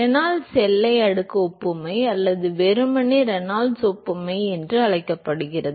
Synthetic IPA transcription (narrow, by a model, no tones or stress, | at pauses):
ɾɛnaːlsɛlːɐɪɐɽɯkːɐɔpːɯmɐɪɐlːɐðɯʋɛɾɯmɐniɾɛnaːlsɔpːɯmɐɪɛndrɯɐɭɐɪkːɐpːɐɽɯɣɪrɐðɯ